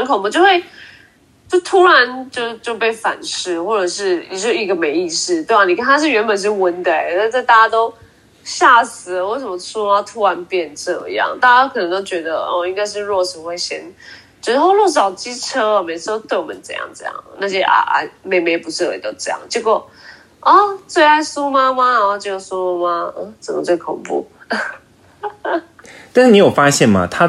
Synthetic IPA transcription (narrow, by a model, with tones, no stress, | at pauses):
ə˧nkʰo˨˩mə˧˦t͡ɕjo˥˧ʊxwe˥˧˩ɪ | t͡ɕjo˥˩ʊt̪ʰu˦˥ɻa˧˦nt͡ɕjo˥˧ʊt͡ɕjo˥˧ʊpe˥˩ɪfa̰˨˩nʂɻ̩˥˧xwɔ˥˩ʈ͡ʂɤ˨˩ʂɻ̩˥˩nḭ˨˩t͡ɕjo˥˩ʂi˧˥ɡə˨me˧˥ɪi˥˧ʂɻ̩˥˩t̪we˥˩ɪa˨˩ni˨˩kʰə˥nʰa˥ʂ̬ɻ̩˥˩ɥɛ˧˥npə˨nʂ̬ɻ̩˥˩wə˧˥nd̪ə˧e˨na˥˩t͡sa˥˧ɪt̪a˥˩t͡ɕa˥t̪o˥ʊ | ɕja˥˩sɹ̩˨˩˦we˥˩ɪsʂə˨˩mə˦su˥lə˨˩t̪ʰu˥ɻa˧˦npjɛ˥˧nʈ͡ʂɤ˥˧jɑ̰˨˧ŋt̪a˥˩a˥kʰɤ˨˩nə˧˥ŋt̪o˥ʊt͡ɕɥɛ˧˥d̪ə˧ɔ˧i˥ŋka˥˧ɪʂɻ̩˥˧ɻwɔ˥˩ʂ̩˨˩we˥˩ɪɕjɛ̰˥n | t͡ɕo˧˥˧xo˥˧ʊlwɔ˥˩ʂɑ˨˩ʊt͡ɕi˥ʈ͡ʂʰɤ˥ə˨me˧˥ɪʂɻ̩˧˥ho˥˧ʊt̪we˥˩ɪwɔ˨mə˨˦nt͡sɤ̰˨˩˦jɑ̰˥˩ŋʈ͡ʂɤ̰˥˧jɑ̰˥˩ŋ˩na˥˧˩ɕjɛ˥ʔa̰˨˩ʔa̰˨˩me˨˧ɪme˧˥ɪpu˧˥ʂ̩˥˩wḛ˨˩˨t̪o˥ʊʈ͡ʂɤ˥˧jɑ̰˥˩ŋt͡ɕjo˥˧ʊkɔ˥˧ | ə˦t͡swe˥˧ɪa˥˩ɪsu˦˥ma˧ma˧ɔ˧t͡ɕo˥˧jo˨˩su˥lə˧ma˧ə˥˧t͡sə˨˩mə˦t͡swe˥˩ɪkʰo˨˩ŋpṵ˥˩ | t̪nʂ̩˥˩ni˨˥jo˨˩fa˦˥ɕjɛ˥˩nma̰˨˩t̪ʰa˦˥